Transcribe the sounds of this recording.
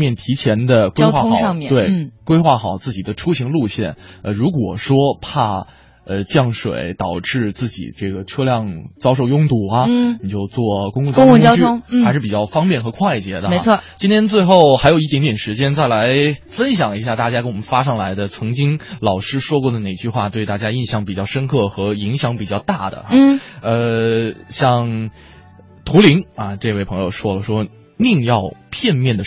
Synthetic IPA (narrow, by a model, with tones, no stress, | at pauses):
mjɛ˥˩nt̪ʰi˧˥t͡ɕʰjɛ˧˥nd̪ə˧kwe˥xwa˥˩˥ɑ˥˧ŋmjɛ˥˨t̪we˥˩ɪ˥˩kwe˥ɪxwa˥˩xɑ˨˩˦ʊt͡sɹ̩˥˩t͡ɕi˨˩d̪ə˦ʈ͡ʂʰu˥ɕi˧˥ŋlu˥˧ɕjɛ˥˩nə˧ɻu˧˥kwɔ˨˩ʂwɔ˥pʰa˥˩ | ə˧t͡ɕjɑ˥˩ŋʂwḛ˨˩˦ɪt̪ɑ˨˩ʊʈ͡ʂɻ̩˥˧t͡sɹ̩˥˩t͡ɕḭ˨˩ʈ͡ʂɤ˥˩ɡə˩ʈ͡ʂʰɤ˥ljɑ˥˩ŋt͡sɑ˥ʊʂo˥˧ʊjʊ˥˧ŋt̪u˥˨˩ɐ˧ni˨˩t͡ɕjo˥˧ʊt͡swɔ˥˩kʊ˥ŋkʊ˥˧˩ŋ˥ʊ˥˧˥t͡ɕʊʊ˥ŋ˥a˧˥ʂɻ̩˥˩pi˨t͡ɕɑ˥˩ʊfɑ˥ŋpjɛ˥˩nxɤ˧˥kʰwa˥˩ɪt͡ɕjɛ̰˧˥d̪ə˧me˧˥ɪɔ˥˧˩t͡ɕi˥nt̪ʰjɛ˥nt͡swe˥˧ɪxo˥˩ʊxa˧˥jo˨˩i˥˩t̪jnt̪jɛ˨˩nʂɻ̩˧˥t͡ɕjɛ˥nt͡sa˥˩ɪla˧˥ɪ | fə˥nɕjɑ˨˩ŋi˧˥ɕja˥˩t̪a˥˩t͡ɕja˥kə˥nwɔ˨˩mə˦nfa˥ʂ̬ɑ˥˩ŋla˧˥ɪd̪ə˧t͡sʰɤ˧˥ŋt͡ɕi˥ŋlɑ˨˩ʊʂɻ̩˥ʂwɔ˥kwɔ˥˩d̪ə˩ne˨˩t͡ɕy˥˧xwa˥˧t̪we˥˧ɪt̪a˥˩t͡ɕja˥i˥˧nɕjɑ˥˩ŋp̬i˨˩t͡ɕjɑ˥˩ʊʂə˥nkʰɤ˥˩xɤ˧˥i˧˥ŋɕjɑ˧˥ŋpi˨˩t͡ɕjɑ˥˧ʊt̪a˥˩d̪ə̰˩˥˩ə˧ | ɕjɑ˥˧ŋ | t̪ʰu˧˥li˧˥ŋɐ˧ʈ͡ʂɤ˥˧ɪwe˥˩ɪpʰɤ˧˥ŋjo˧ʊʂwɔ˥lə˨˩ʂwɔ˥ | ni˥˧ŋjɑ˥˧ʊpʰjɛ˥˧nmjɛ˥˩nd̪ə˩